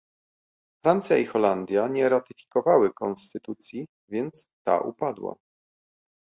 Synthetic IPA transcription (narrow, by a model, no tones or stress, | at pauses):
fɾant̪sʲjaixɔland̪ʲjaɲɛɾat̪ɘfʲi̥kɔvawɘkɔnst̪ɘt̪ut̪sʲji | vʲjɛnt̪st̪a̰ʔṵpad̪wa̰